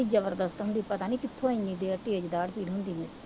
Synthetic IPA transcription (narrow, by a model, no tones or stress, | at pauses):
id͡ʒəbəɾd̪əst̪ɦʊ̃nd̪iːpət̪aːnĩːkɪt̪ʰːõːɪ̃nĩd̪eːəʈiːed͡ʒd̪aːɽpiːɽɦʊ̃nd̪iːɦɛː